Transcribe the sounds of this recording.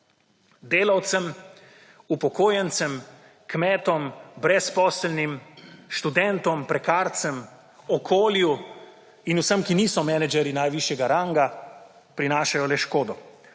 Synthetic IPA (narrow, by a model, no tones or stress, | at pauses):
d̪eːlawt̪səm | upɔkoːjɛnt̪səm | kmɛːt̪ɔmbɾɛspɔːslnimʃt̪ud̪ɛnt̪ɔmpɾɛkaːɾt̪səm | ɔkʰoːlju | inusəmkiniːsɔmɛnɛd͡ʒɛɾinajʋiʃjɛɡaɾaŋɡa | pɾinaːʃajɔlɛʃkoːd̪ɔ